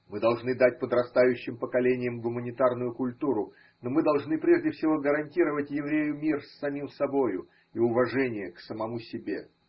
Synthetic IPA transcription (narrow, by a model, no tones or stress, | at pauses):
mɨd̪ɐlˠʐnɨd̪at̚ʲpəd̪ɾɐst̪ajʉɕːɪmpəkɐlʲenʲɪjəmɡʊmənʲɪt̪arnʊjʊkʊlʲt̪uɾʊ | no̞mɨd̪ɐlˠʐn̪ɨpɾʲe̞ʐdʲɪfsʲɪvo̞ɡəɾɐnʲtʲiɾəvətʲjɪvɾʲejʊmʲirsːɐmʲimsɐbo̞jʊ̰ | iʊvɐʐɛnʲɪjəksəmɐmusʲɪbʲe̞̰